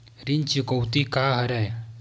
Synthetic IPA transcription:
ɾint͡ɕikəwt̪ikaɦəɾaj

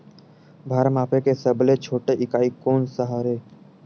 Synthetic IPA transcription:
bʱaːɾmaːpʰekesəblet͡ʃʰoːʈeʔɪkaːikoːnsəɦaːɾeː

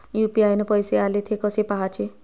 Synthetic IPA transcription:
jupiajnepɔjsealet̪ʰiekɔsipaɦat͡ʃʰe

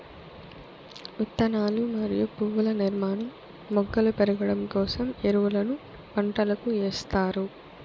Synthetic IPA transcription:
ut̪ːɐnaːlumɐɾijupuːʋɐlɐniɾmaːnɐ | mɔɡːɐlupɛɾɐɡɐɽɐmkɔːsɐmeɾuʋɐlɐnu | pɐɳʈɐlɐkuɛːst̪aːɾu

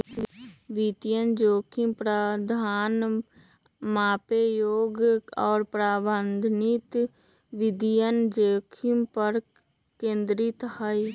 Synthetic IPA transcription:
ʋit̪jənd͡ʒoːkʰimpɾəd̪ʱaːn | maːpejoːɡɔːɾpɾaːbənd̪ʱnɪt̪ | ʋɪd̪ijənd͡ʒoːkʰimpəɾ | kẽːnd̪ɾit̪hai

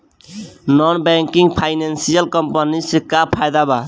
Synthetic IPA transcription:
nɔnbɛŋkiŋɡpʰajnensijəlkʌmpənisikːapʰajd̪aba

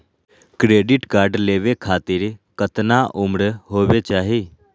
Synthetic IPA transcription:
kɾeɖiʈkaːɾɖleʋekʰaːt̪iɾkət̪naʔumɽəɦoːʋet͡ʃaːɦi

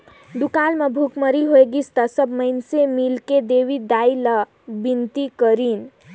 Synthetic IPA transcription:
d̪ukalməbʱukməɾiɦoeɡist̪asəbməjnsemilked̪eʋid̪ailə | bint̪ikəɾin

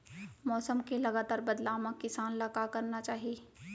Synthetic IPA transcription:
mɔːsəmkelɐɡaːt̪aːɾbɐd̪laːmakɪsaːnlɐkakɐɾnat͡ʃaːɦieː

